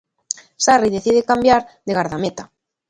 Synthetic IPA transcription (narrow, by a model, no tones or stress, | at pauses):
sariðeθið̞ekambjaɾðeɣaɾðamet̪a